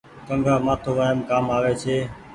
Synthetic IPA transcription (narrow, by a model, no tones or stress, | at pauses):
kəŋɡʱaːmaːt̪ʰoːʋaːɦəmkaːmaːʋeːt͡ʃʰeː